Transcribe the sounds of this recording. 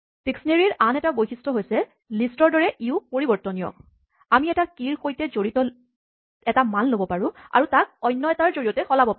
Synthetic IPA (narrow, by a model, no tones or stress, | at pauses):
piksneɹiɹʔanɛtabojxistʰɔɦojsɛ | listɔɹdɔɹɛʔiʊpoɹibɔɹtɔnijɔ̰ | amiɛtakiɹxojtɛzoɹitɔ | ɛtamanlobɔpaɹʊ̃a̰ɹutak̚ɔjnːɔɛtaɹzoɹijɔtɛxɔlabɔpaʊ̃